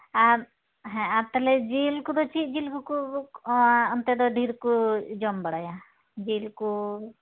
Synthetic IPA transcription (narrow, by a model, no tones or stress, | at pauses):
aɾ | ɦɛ̃aɾt̪aled͡ʒilkud̪ɔt͡ʃʰid͡ʒilkuku | ɔnt̪ed̪ɔɖʱiɾkud͡ʒɔmbəɽaja | d͡ʒilku